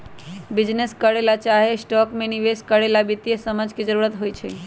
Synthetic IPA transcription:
bid͡ʒneskəɽelat͡ʃaɦesʈɔkmeniʋeskəɽelabit̪ijesəməd͡ʒʱked͡ʒəɾuɾət̪ɦojt͡ʃʰɛ̰

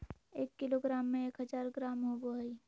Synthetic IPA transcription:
eːkːɪloɡɾaːmːẽeːkɦəzaːɾɡɾaːmɦoboɦəi

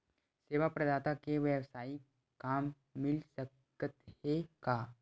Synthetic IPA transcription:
seːʋapɾɐd̪aːt̪akeʋjəwsaːi | kaːmː | ɪlsək | ət̪hekaː

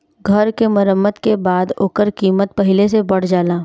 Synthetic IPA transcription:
ɡʱəɾkemɐɾəmːət̪kebaːd̪oːkəɾkiːmət̪̚pɐɦɪlesebɐɽ̤d͡ʒaːlaː

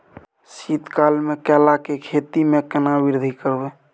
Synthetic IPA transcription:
sit̪kalmekɛlakekʰet̪imekənabɪɾd̪ʱikəɾbe

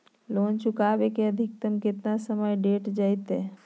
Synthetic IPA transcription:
lont͡ʃukabekeəd̪ʱik̚t̪əmket̪nasəməjɖeʈd͡ʒajt̪e

